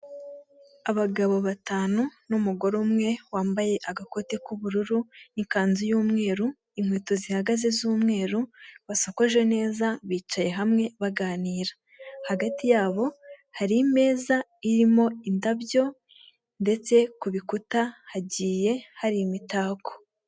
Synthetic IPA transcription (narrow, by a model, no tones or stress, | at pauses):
aβaɡaβo̞βataːnunumuɡo̞ɾomŋe̞waːmbaje̞ʔaɡako̞tikuβuɾuɾuniŋkaːnzijuːmŋe̞ːɾu | imhwiːto̞zihaɡaze̞zuːmŋe̞ːɾuβasakoʒene̞ːzaβiːt͡ʃaje̞ɦamŋe̞βaɡaːniːɾa | haɡatijaːβo̞haɾime̞ːza | iɾimo̞indaβjo̞ | nde̞t͡se̞kuβikutahaɟiːje̞haɾimitaːko̥